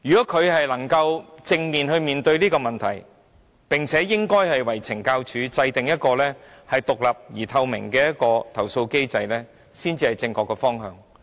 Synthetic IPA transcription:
jyː˨˩kɔː˨˥kʰɵ˨˧ɥhɐ˨jlɐ˨˩ŋkɐ˧wt͡sɪ˧ŋmiː˨nhɵ˧ɥmiː˨nt̪ɵ˧ɥliː˥kɔː˧mɐ˨nt̪ʰɐ̰˨˩j | pɪ˨ŋt͡sʰɛː˨˥jɪ˥ŋkɔː˥jhɐ˨jwɐ˨˩jt͡sʰɪ˨˩ŋkaː˧wt͡ʃʰyː˨˥t͡sɐ˧jt̪ɪ˨ŋjɐ˥t̚kɔː˧lɛː˥hɐ˨jt̪ʊ˨k̚lɐ˨p̚jiː˨˩t̪ʰɐ˧wmɪ̰˨˩ŋkɛː˧jɐ˥t̚kɔː˧t̪ʰɐ˨˩wso˧wke˥jt͡sɐ˧jlɛː˥ | siː˥nt͡siː˧hɐ˨jt͡sɪ˧ŋkɔː˧kːɛː˧fɔː˥ŋɦœ̰ː˨˧ŋ

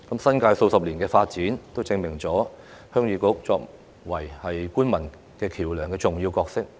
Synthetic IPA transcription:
kɐ˨˥msɐ˥nkaː˧jso˧wsɐ˨p̚liː˨˩nkɛː˧faː˧t̚t͡siː˨˥nt̪o˥wt͡sɪ˧ŋmɪ˨˩ŋt͡sɔː˨˥ | hœː˥ŋjyː˨˧kʊ˥k̚t͡sɔː˧k̚ | wɐ˨˩jhɐ˨jkuː˥nmɐ˨˩n | kɛː˧kʰiː˨˩wlœː˨˩ŋkɛː˧t͡sʊ˨ŋjiː˧wkɔː˧k̚sɪ˥k̚

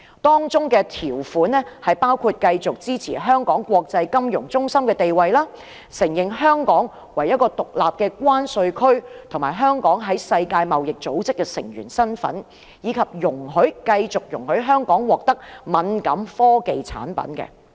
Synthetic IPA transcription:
t̪ɔː˥ŋt͡sʊ˥ŋkɛː˧t̪ʰiː˨˩wfuː˨˥nːɛ˥hɐ˨jpaː˥wkʰuː˧t̚kɐ˧jt͡sʊ˨k̚t͡siː˥t͡sʰḭː˨˩ɦœː˥ŋkɔː˨˥ŋkʷwɔː˧k̚t͡sɐ˧jkɐ˥mjʊ˨˩ŋt͡sʊ˥ŋsɐ˥mkɛː˧t̪e˨jwɐ˨jlaː˥ | sɪ˨˩ŋjɪ˨ŋɦœː˥ŋkɔː˨˥ŋ | wɐ˨˩jɐ˥t̚kɔː˧t̪ʊ˨k̚laː˨p̚kɛː˧kwaː˥nsɵ˧ɥkʰɵ˥ɥt̪ʰʊ˨˩ŋmaː˨˩jɦœː˥ŋkɔː˨˥ŋɦɐ˨˥jsɐ˧jkaː˧jmɐ˨wjɪ˨k̚t͡so˨˥wt͡sɪ˥kːɛː˧sɪ˨˩ŋjyː˨˩nsɐ˥nfɐ̰˨˥n | jiː˨˧kʰɐ˨p̚jʊ˨˩ŋɦɵ˨˥ɥkɐ˧jt͡sʊ˨k̚jʊ˨˩ŋhɵ˨˥ɥɦœː˥ŋkɔː˨˥ŋwɔː˨k̚t̪ɐ˥k̚mɐ˨˧nkɐ˨˥mfɔː˥ke˨jt͡sʰa̰ː˨˥npɐ̰˨˥nkɛ̰˧

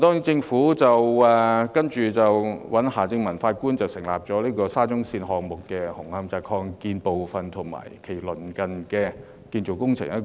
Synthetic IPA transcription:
t̪ɔː˥ŋ˥t͡sɪ˧ŋfuː˨˥t͡sɐ˨wɛː˨kɐ˥nt͡ʃyː˨t͡sɐ˨wwɐ˨˥nhaː˨˩t͡sɪ˧ŋmɐ˨˩nfaː˧t̚kuː˥nt͡sɐ˨wsɪ˨˩ŋla̰ː˨p̚t͡sɔː˨˥liː˥kɔː˧saː˥t͡sʊ˥ŋsiː˧nɦɔː˨ŋ̚mʊ˨kːɛ˧hʊ˨˩ŋhɐ˧mt͡saː˧kʰɔː˧ŋkiː˧npo˨wfɐ˨nt̪ʰʊ˨˩ŋma̰ː˨˩jkʰe˨˩jlɵ˨˩nkɐ˨nkɛ˧ | kiː˧nt͡so˨˩wkʊ˥ŋt͡sʰɪ̰˨˩ŋjɐ˥t

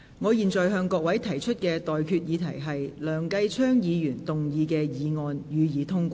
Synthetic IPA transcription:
ŋɔː˨˧jiː˨nt͡ʃɔː˨jɦœː˧ŋkɔː˧k̚wɐ˨˥jt̪ʰɐ˨˩jt͡ʃʰɵ˥t̚kɛː˧t̪ɔː˨jkʰyː˧t̚jiː˨˧t̪ʰɐ˨˩jɦɐ˨jlœː˨˩ŋkɐ˧jt͡ʃʰœː˥ŋjiː˨˧jyː˨˩nt̪ʊ˨ŋjiː˨˧kɛː˧jiː˨˧ŋɔː˨njyː˨˧jiː˨˧t̪ʰʊ˥ŋkʷɔː˥

